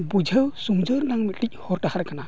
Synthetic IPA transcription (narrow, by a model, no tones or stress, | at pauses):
bud͡ʒʱəwsumd͡ʒɯɾnaŋmitlic̚hɔɾtahaɾkana